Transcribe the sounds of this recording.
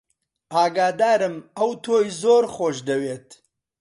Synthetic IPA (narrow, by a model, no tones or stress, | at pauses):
aːɡaːd̪aːɾɨmɐwt̪ʰoːjzoːɾχoːʃd̪ɐweːt̪